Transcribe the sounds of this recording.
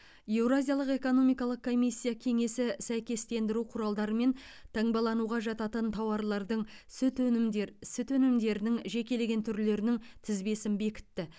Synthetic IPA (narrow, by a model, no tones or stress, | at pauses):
je̞wɾazʲijalˠəqe̞ko̞no̞mijkɑlˠəq̚kʰo̞mijsʲːijakʲʰe̞ŋe̞sɪsæjkʲe̞st̪e̞nd̪ɪɾuqʰʊɾɑlˠd̪ɑɾəme̞n | t̪ʰɑɴbɑlˠɑnuʁɑʒɑt̪ɑt̪ənt̪ʰɑwɑɾlˠɑɾd̪əɴsʏt̪sɪt̪ɵnɪmd̪e̞ɾɪnɪŋʒe̞kʲe̞le̞ɡʲe̞nt̪ʰʏɾle̞ɾɪnɪŋt̪ʰɪzbe̞sɪnbe̞kʲɪ̥t̪ːɪ